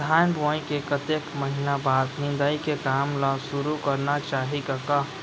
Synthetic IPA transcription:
d̪ʱaːnbɔːĩkekət̪ekməɦɪnabaːd̪nɪ̃nd̪aikekaːmlasʊɾukəɾnat͡ʃaːɦikaka

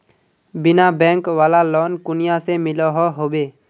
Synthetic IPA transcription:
bɪnabɛ̃ːŋkʋaːlalɔːnkʊnɪjasemɪlɔɦɔɦoːbeː

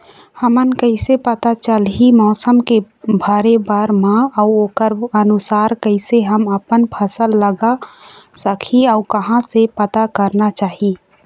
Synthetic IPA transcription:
həmənkəɪsepət̪at͡ʃəlɦimɔːsəmke | bʱaːɾebaːɾmãɔoːkəɾənʊsaːɾkəɪseɦəməpənpʰəsəlːəɡasəkʰiɔːɾkɐɦãsepət̪akəɾnat͡ʃaːɦi

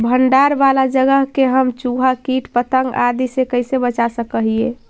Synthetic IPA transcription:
bʱəɳɖaːɾʋalad͡ʒəɡəɦkeɦəmt͡ʃuɦakiːʈpət̪əŋɡa̰d̪isekəɪsebət͡ʃasəkəɦie

